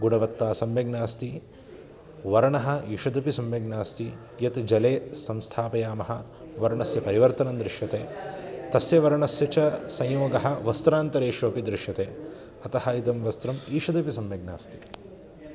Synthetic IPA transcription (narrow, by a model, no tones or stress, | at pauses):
ɡunɐʋɐt̪ːaːsɐmʋeɡnaːst̪i | ʋɐɾɐɳɐɦɐ̆iːʂɐd̪ɐpisɐmʋeɡnaːst̪i | jɐt̪d͡ʒɐleːsɐmst̪ʰaːpɐjaːmɐɦɐ̆ | ʋɐɾɐɳɐsjɐpɐɾiʋɐɾt̪ɐnɐmd̪ɾiʂjɐt̪eːt̪ɐsjɐʋɐɾɐɳɐsjɐt͡ʃɐsɐ̃jjouɡɐɦɐ̆ʋɐst̪ɾaːnt̪ɐɾeːʂoːpid̪ɾɪʂjɐt̪eː | ɐt̪ɐhɐit̪ɐmʋɐst̪ɾɐmiːʂɐd̪ɐpisɐmʋɐɡ̚naːst̪i̥